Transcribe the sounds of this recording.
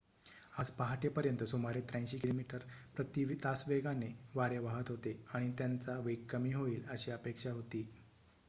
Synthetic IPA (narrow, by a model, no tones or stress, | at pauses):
ad͡zpaɦaʈepəɾjənt̪əsomaɾet̪ɾãj̃ɕiːkilomiʈəɾpɾət̪iʋt̪asʋeɡaneʋaɾeʋaɦət̪ɦot̪eaɽ̃it̪jant͡saʋeɡ̚kːəmiːɦoiːləɕiːəpekʂaɦot̪iː